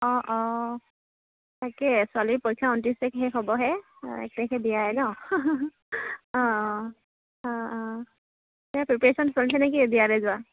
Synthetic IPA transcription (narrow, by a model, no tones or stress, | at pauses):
ɔ̃ʔɔ̃ | takɛsʊalipoɹjkʰːaɔntisɛkɦɛɦɔbɔɦɛ | ɛ̰k̚takʰɛdijaɦɛnɔ | ɔ̃ | ɔ̃ | tɛjapɹipesɔnsɔlsʰɛnɛk̬idijabɛzʊa